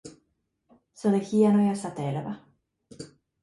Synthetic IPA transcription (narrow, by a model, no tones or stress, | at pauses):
soɾeçijanojosat̪eeɾeba